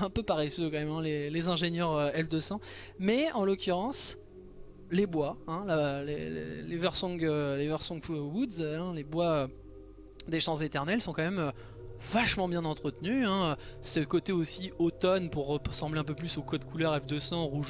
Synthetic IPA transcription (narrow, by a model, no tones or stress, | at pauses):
ɛ̃pøpaʁesøkɑ̃mɛmɛ̃lelezɛ̃ʒenjœʁøɛfd̪əsɑ̃ | mɛɑ̃lokʲyʁɑ̃s | lebwaɛ̃lalḛlḛlevœʁsɔ̃ɡølevɛʁsɔ̃ɡfwud̪zɛ̃lebwaø | d̪eʃɑ̃zet̪ɛʁnɛlsɔ̃kɑ̃mɛmø | vaʃmɑ̃bjɛ̃nɑ̃t̪χət̪nyɛ̃øsəkot̪eosiot̪ɔnpuʁːəsɑ̃bleɛ̃p̬øplysokɔd̪kʰulœʁɛfd̪əsɑ̃ʁuʒ